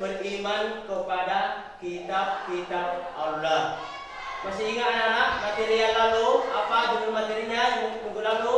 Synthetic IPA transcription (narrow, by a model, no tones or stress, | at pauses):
bərimankəpada | kit̪ab̚kit̪ab̚alːah | masiiŋaananaʔ̚mat̪eɾialaluapaduɡumat̪iɾiɲajamut̪puɡulalu